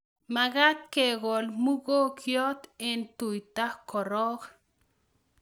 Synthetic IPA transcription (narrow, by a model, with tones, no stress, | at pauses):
ma˨ɡa˦t̪̚keɡo˨lmu˦ɡo˦kʰjo˦t̪ɪ˦nt̪u˨jt̪a˦hko˨ɾɔ˦k